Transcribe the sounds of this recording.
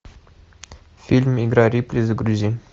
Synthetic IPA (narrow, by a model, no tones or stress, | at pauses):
fʲilʲmiɡɾɑɾʲiplʲizəɡɾuzʲi